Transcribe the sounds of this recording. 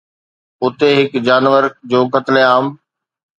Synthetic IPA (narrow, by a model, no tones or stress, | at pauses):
ʊt̪eɦɪkd͡ʑaːnʋəɾd͡ʑoːkət̪leaːm